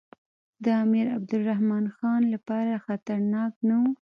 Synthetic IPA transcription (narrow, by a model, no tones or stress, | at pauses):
d̪əamiɾa̰b̚d̪ʊlːahmɑnxɑnlapɑɾaxat̪aɾnɑknawu